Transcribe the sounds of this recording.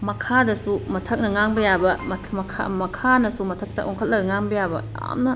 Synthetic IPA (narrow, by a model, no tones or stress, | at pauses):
mɐkʰadɐsumɐtʰɐk̚nɐŋaŋbɐjabɐmmɐkʰa̰mɐkʰanɐsumɐtʰɐk̚tɐ̰ʔoŋkʰɐt̚lɐɡɐŋaŋbɐjabɐja̰mnɐ